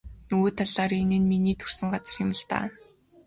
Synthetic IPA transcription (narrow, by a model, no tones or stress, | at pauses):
nuːt̪ʰaɮaːɾenɘ̆nminiːt̪ʰɵr̥sɘ̆ŋɢat͡sə̆rxʊmə̆ɮt̪a̰ː